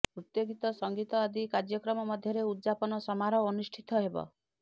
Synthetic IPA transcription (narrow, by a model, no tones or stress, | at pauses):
pɾut̪jɔɡit̪ɔsɔŋɡit̪ɔad̪ikaɾd͡ʒjɔkɾɔmɔmɔd̪ʱjɔɾeud̪d͡ʒapɔnɔsɔmaɾɔːnusʈʰit̪ɔɦebɔ̰